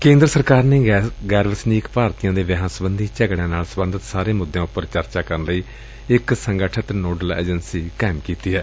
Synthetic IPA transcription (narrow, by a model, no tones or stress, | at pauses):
kẽːnd̪ɾəsəɾkaːɾneːɡɛːɾʋəsniːkpaːɾt̪ijãːd̪eːʋɪɦãːsəbənd̪ʱiːt͡ʃɛːɡɽjãːnaːlsəbə̃nd̪ʱət̪saːɾeːmʊd̪ːjãːʊpːəɾt͡ʃəɾt͡ʃaːkəɾənləiː | ɪksəŋɡəʈʰət̪noːɖəlḛːd͡ʒənsiːkɛːmkiːt̪iːɦɛː